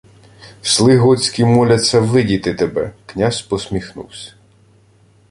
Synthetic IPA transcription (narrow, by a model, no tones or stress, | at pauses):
slˠɪɦɔt͡sʲkʲimɔlʲɐt͡sʲːɐʋɪdʲit̪ɪt̪ebɛ̰knʲaspɔsʲmʲixnṵwsʲɐ̥